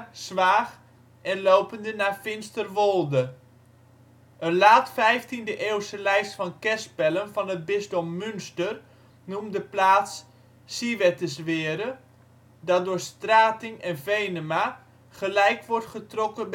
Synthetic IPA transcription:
sʋaːχ | ʔɛnlowpəndənaːfɪnstərʋolˠdə | ʔənlaːtfɛjftindəʔeːwsəlɛjstfɑnkɛspɛlənvɑnət̚bɪsdɔmːynstər | numdəplaːtsː | iʋɛtəsʋɪːəɾə | dɑdʊːrstraːtɪŋɛnvejnəma | χəlɛjkʋɔrtχətrɔkəb

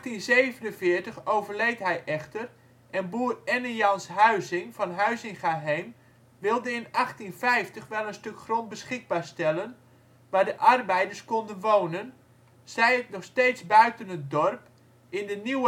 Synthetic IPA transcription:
tinzejvənənfɪːtəχowvərlejtɦɛjʔɛχtər | ʔɛnbuːrɛnəjɑnsɦœɥzɪŋfɑnɦœɥsɪnχəɦejm | ʋɪlˠdəɪnɑχtinfɛjftəχʋɛlˠənstɵkχrontbəsχɪɡ̚baːɹstɛlˠən | ʋaːdəʔɑrbɛjdəɹskɔndənʋoːnən | sɛjətnɔχsteːtsbœɥtənət̚dɔrp | ɪndəniwə

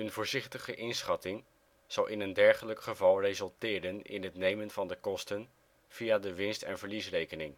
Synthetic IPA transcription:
ənvʊːɹzɪχtəχəʔɪnsχɑtɪŋ | z̥ɑwʔɪnəndɛɹχələkχəvɑlˠrejzɵlˠtɪːɾənɪ̰nɦətnejmənvɑndəkɔstən | v̥ijadəʋɪnstɛ̰nvəɹlisrejkənɪŋ

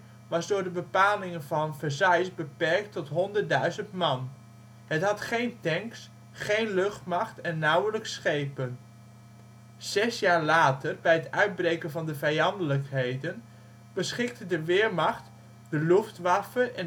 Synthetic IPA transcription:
ʋɑzdʊːɹdəbəpaːlɪŋənvɑnvəzɑjsbəpɛɹk̚tɔtɦɔndədœɥzəntmɑn | ɦətɦɑtχejntɛŋks | χejnlɵχtmɑχtɛnːʌwələksχejpən | z̥ɛsjaːɹlaːtərbɛjɦətœɥd̚brejkənvɑndəvɛjɑndələkɦejdən | b̥əsχɪk̚tədəʋɪːɹmɑχt | dəluftʋɑfəʔɛn

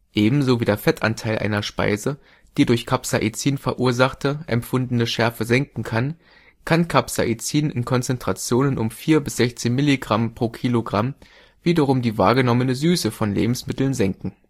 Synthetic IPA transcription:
ʔeːbm̩zoviːdeːɐfɛtʰʔa̰ntʰaɪlʔa̰ɪnɐʃpa̰ɪzə | d̥iːdʊɐçkʰapsaʔit͡siːnfɛɐʔuːɐzaχtəʔɛ̰mpfʊndn̩əʃɛɐfəzɛŋkŋ̩kʰan | kʰankʰapsa̰ʔit͡siːnʔɪnkʰɔnt͡sɛntʁ̥at͡sjoːnənʔʊmfiːɐbɪsz̥ɛçt͡seːnmɪliɡʁampʁ̥oːkʰiːloɡʁam | viːdɐʁ̞ʊmdiːva̰ːɐɡənɔmənəzyːsəfɔnlḛːbm̩smɪtl̩nzɛŋkŋ̩

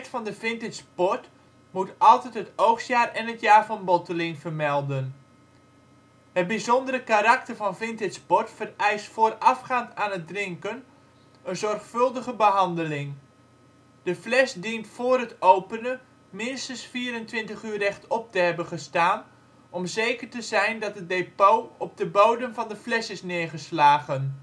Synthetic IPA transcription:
tfɑndəfɪntɪtspɔt | mutʔɑlˠtɛtɦətowxsjaːrɛnətjaːɹfɑnbɔtəlinvərmɛlˠdən | hət̚bizɔndəɾəkaɾak̚tərvɑnfɪntɪtspɔtfərɛjstfoːrɑfχaːntaːnət̚drɪŋkən | ənzɔrχfɵlˠdəχəbəɦɑndəlɪŋ | d̥əflɛsdintfʊːrɦətowpənə | mɪnstənsfiːɾəntʋɪntəχyːrɛχtɔp̚təɦɛbənχəstaːn | ɔmzejkərtəzɛjndɑtət̚depowɔb̚dəbowdəmvɑndəflɛsɪsnɪːɹχəslaːχən

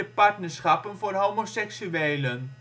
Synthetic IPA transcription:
əpɑɹtnəɹsχɑpənvoːrɦowmosɛksyʋeːlən

